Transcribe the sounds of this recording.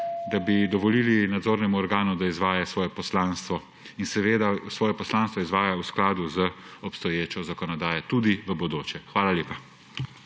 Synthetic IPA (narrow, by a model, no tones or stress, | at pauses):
d̪abid̪ɔʋɔliːlinad̪zoːɾnɛmuɔɾɡaːnud̪aizʋaːjasʋɔːjɛpɔslaːnst̪ʋɔ | insɛʋeːd̪asʋɔːjɛpɔslaːnst̪ʋɔizʋaːjausklaːd̪uzəɔpst̪ɔjeːt͡ʃɔzakɔnɔd̪aːjɛt̪ud̪iʋəbɔd̪oːt͡ʃɛxʋaːlaljeːpa